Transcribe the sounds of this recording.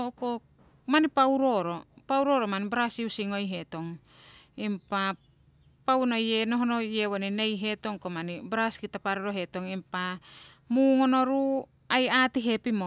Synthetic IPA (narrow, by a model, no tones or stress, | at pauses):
oko | manipawɾo̞ɾopawɾo̞ɾomanibɾasiusiŋo̞jɦe̞to̞ŋ | impa | pawnoje̞noɦonoje̞wonine̞jɦe̞to̞ŋkomanibɾaskitapaɾoɾoɦe̞to̞ŋimpa | muŋono̞ɾu | ajatiɦe̞pimo